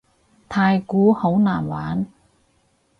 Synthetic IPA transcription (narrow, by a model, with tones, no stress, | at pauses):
t̪ʰaː˧jkuː˨˥ho˨˥wnaː˨˩nwaː˨˥n